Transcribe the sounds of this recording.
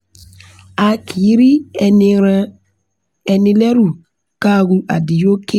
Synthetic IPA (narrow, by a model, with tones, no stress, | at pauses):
a˨kʰi˨˦ɾi˦ | e˨ni˨le˦ɾu˨ | ka˦˨ɡu˦ʔa̰˨di˨jo˦ke˦